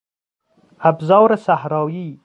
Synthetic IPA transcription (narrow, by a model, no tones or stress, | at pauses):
abzɑːwɾasahɾɑːji